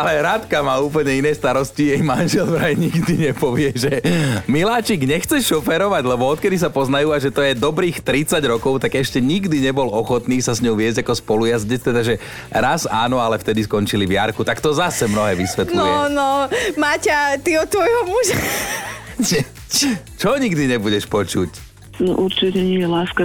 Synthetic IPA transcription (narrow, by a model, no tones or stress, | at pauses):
alɛɾat̪kamaːuːpl̩ɲɛinɛːst̪aɾɔscijɛjmanʒɛlvɾajɲiɡd̪iɲɛpɔʋɪɛʒɛmilaːt͡ʃiɡɲɛxt͡sɛʃɔfɛɾɔʋaɟlɛbɔɔt̪kɛd̪is̬apɔznajuːaʒɛt̪ɔjɛd̪ɔbɾiːxt̪ɾit͡saɟɾɔkɔʊt̪aɡɛʃcɛɲiɡd̪iɲɛbɔlɔxɔt̪niːsazɲɔʊʋɪɛzɟakɔspɔlujazɟɛst̪ɛd̪aʒɛ | ɾazaːnɔalɛft̪ɛd̪iskɔnt͡ʃiliʋɪaɾkut̪akt̪ɔzasɛmnɔɦɛːʋisʋɛt̪lnlɔnɔmaːcat̪iɔtt̪ːʋɔjɦɔmuʒa | ʒɛ | t͡ʃɔɲiɡd̪iɲɛbuɟɛʃpɔt͡ʃuc | nɔʔuɾt͡ʃicɛɲijɛlaːska